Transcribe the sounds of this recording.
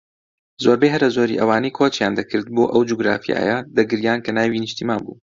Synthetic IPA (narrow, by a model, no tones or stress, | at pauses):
zoːɾbeɦɐɾlɐzoːɾḭːʔɐwaːnejkʰot͡ʃjaːnd̪ɐkʰɨɾd̪̚boːʔɐwd͡ʒuɡɾa̰ːfija̰ːjɐd̪ɐɡɨɾjaːnkɐnaːwiːniʃt̪imaːnbṵː